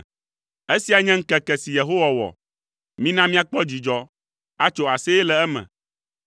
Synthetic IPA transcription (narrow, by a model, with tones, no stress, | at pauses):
e˦si˨˦a˨ɲɛ̃˦ŋ̩˦kɛ˨kɛ˨si˨je˨ɦo˦wa˨wɔ̰˨ | mĩ˦nã˦mĩ˦a˦k͡pɔ˦d͡ʑi˨d͡ʒɔ˨ | a˦t͡ʃo˦a˨sɛ˦ɛ˦lɛ˨ɛ˦mɛ̰̃˨